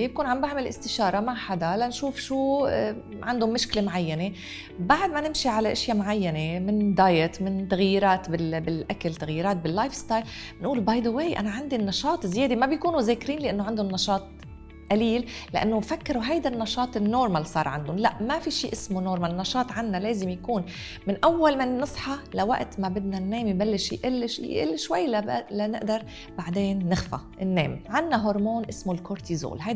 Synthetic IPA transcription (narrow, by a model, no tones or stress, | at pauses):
b̚kuːnʕambaʕmɪlʔɪst̪ɪʃɑːɾˤɑmaʕħad̪alanʃuːfʃuː | ʕand̪ʊmːɪʃklemʕajːane | baʕd̪manɪmʃiʕalaʔɪʃjamʕajːanemɪnd̪aːjɪt̪mɪnt̪aɣjiɾaːt̪bɪlbɪlʔakalt̪aɣjiːɾaːt̪̚bɪlːajfst̪ɑːjl | mɪnʔuːlbajd̪oweːjʔa̰naʕand̪inːɑʃɑːt̪ˤzjeːd̪emabjkuːnuzeːkɾiːnlɪʔanːoʕand̪ʊnːɑʃɑːt̪̚ˤ | ʔaliːlːɪʔa̰nːofakːɪɾuɦajd̪anːɑʃɑːt̪ˤɪnːoːɾˤmalsˤɑ̰ːɾˤʕa̰nd̪ʊnlaʔmafiʃiːʔɪsmonoːɾˤmalnːɑʃɑːt̪ˤʕanːaleːzɪmjakuːn | mɪnʔawːalmanːɨsˤħɑlawa̰ʔt̪mabɪd̪nanːeːmjbalːɪʃjʔɪlːʃjʔɪ̰lːʃwajːlalanɪʔd̪ɑɾˤ | baʕd̪eːnːɪxfa̰ʔɪnːḛːmʕanːaɦoɾˤmoːnʔɪsmolkoɾt̪izo̰ːlɦaj